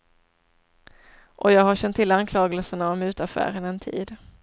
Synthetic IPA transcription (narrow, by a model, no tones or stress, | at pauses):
ʔɔjɑːɡɦaɕɛnt̪ʰːɪlːankʰlɑːɡəlsəɳaɔmʉ̟ːt̪afæ̰ːɾənɛnt̪ʰḭːd̪